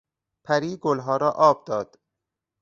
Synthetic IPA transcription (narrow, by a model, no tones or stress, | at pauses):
pʰæɾiːɡolɦɒːɾɒːʔɒːb̚d̪ɒːd̪̥